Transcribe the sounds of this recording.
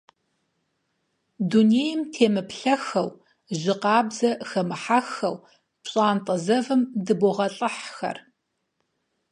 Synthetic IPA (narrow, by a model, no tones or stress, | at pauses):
duneːjɪmtʰeːmɨpɬɐxɐw | ʑɪqɑːbzɐxɐmɨħaxɐ̰w | pɕʼaːntʼɐzɐvɨmdɨboʁɐɬʼɨħxɐ̰r